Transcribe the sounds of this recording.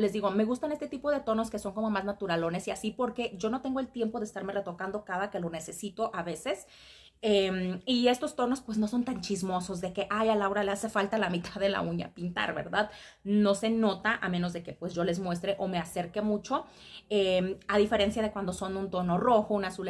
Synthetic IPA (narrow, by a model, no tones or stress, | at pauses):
lezðiɣo̞me̞ɣust̪anest̪e̞t̪ipo̞ð̞e̞t̪o̞no̞ske̞so̞ŋko̞mo̞maznat̪uɾalo̞ne̞siasipo̞ɾke̞ʝo̞no̞t̪e̞ŋɡoelt̪je̞mpo̞ðest̪aɾme̞re̞t̪o̞kand̪o̞kaðake̞lo̞ne̞se̞sit̪o̞ʔaβe̞se̞s | emiest̪o̞st̪o̞no̞spwezno̞so̞nt̪ant͡ʃizmo̞so̞zðe̞ke̞ʔajalawɾalease̞falt̪alamit̪aðe̞la̰uɲa̰pint̪a̰ɾβe̞̰ɾðað | no̞se̞no̞t̪aʔamẽno̞zðe̞ke̞pwe̞zʝo̞le̞zmwe̞s̬t̪ɾe̞ʔo̞me̞ase̞ɾke̞mut͡ʃo̞ | emaðife̞ɾe̞nsjað̞e̞kwand̪o̞so̞nũnt̪o̞no̞ro̞xo̞unasul